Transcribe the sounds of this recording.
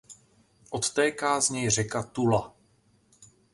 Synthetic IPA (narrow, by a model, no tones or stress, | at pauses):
ʔo̞t̪t̪ɛːkaːzɲɛjr̝ɛkat̪ula